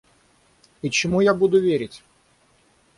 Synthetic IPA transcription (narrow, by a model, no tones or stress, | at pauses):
it͡ɕɪmujabud̪ʊvʲeɾʲɪtʲ